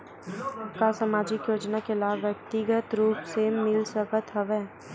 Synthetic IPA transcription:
kasamaːd͡ʒɪkjoːd͡ʒnakelaːbʋjək̚t̪ɪɡət̪ɾuːpsemɪlsəkət̪ɦɐʋeː

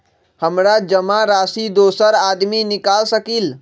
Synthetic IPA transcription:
həmɾad͡ʒəmaɾasid̪osəɾad̪minikalsəkil

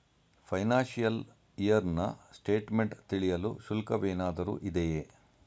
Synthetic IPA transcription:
pʰɐjnaːnʃijɐl | ijɐɾnɐsʈeːʈmeɳʈt̪iɭijɐluʃulkɐʋeːnaːd̪ɐɾṵːʔid̪eje

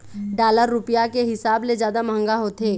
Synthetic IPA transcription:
ɖaːləɾːʊpjakeɦɪsaːbled͡ʒjaːd̪amə̃ŋɡaɦot̪eː

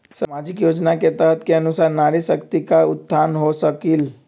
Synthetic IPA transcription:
samaːd͡ʒɪkjoːd͡ʒnaket̪əɦət̪keɐnʊsaːɾnaːɽisəkt̪ikaʊ̰t̪ːaːnɦosəkil

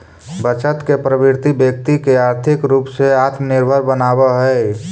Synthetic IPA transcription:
bət͡ʃət̪kepɾəbɪɾt̪ibjək̚t̪ikeaːɾt̪ʰɪkɾuːpseaːt̪mənɪɾbʱəɾbənaːbəɦɛe

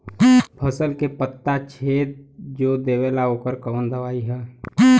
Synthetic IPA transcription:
pʰəsəlkepət̪ːat͡ʃʰeːd̪̚d͡ʒoːd̪eːweːlaoːkəɾkəʋənd̪əʋaːiɦɛː

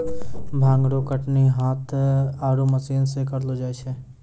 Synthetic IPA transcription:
bʱãːŋɡɽokəʈniɦaːt̪aːɾuməsiːnsekəɾlod͡ʒaːet͡ʃʰɛ

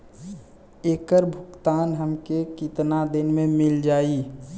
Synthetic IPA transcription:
eːkəɾbʱʊkt̪aːnɦəmkekɪt̪nad̪ɪnmẽmɪld͡ʒaːi

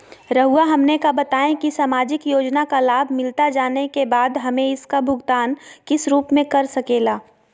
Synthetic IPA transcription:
ɾɐɦuaɦɐmnekabɐt̪aːẽkisaːmaːd͡ʒɪkjoːd͡ʒnakalaːbʱmɪlt̪ad͡ʒaːnekebaːd̪ɦɐmẽɪskabʱʊɡt̪aːnkɪsɾuːpmẽkɐɾsɐkeːlaː

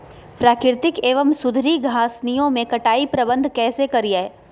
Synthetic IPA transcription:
pɾaːkɾɪɾt̪ɪkeːʋəmsʊd̪ʱɾiɡʱaːsnijõmẽkɐʈaːipɾɐbə̃nd̪ʱkɛːsekɐɾija

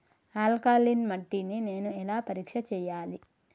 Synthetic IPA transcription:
aːlkaːlinmɐʈːinine̞ːnuɛlaːpɐɾiːkʂɐt͡ʃɛːjaːli

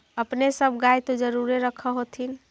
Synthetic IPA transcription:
əpnesəbʱɡajt̪od͡ʒəɾuɾeɾəkʰəɦot̪ʰin

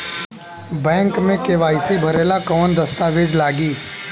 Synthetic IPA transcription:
bɛ̃ːŋkmẽkeʋaːisibʱɐɾeːlakɔːnd̪ɐst̪aʋɪd͡ʒlaːɡiː

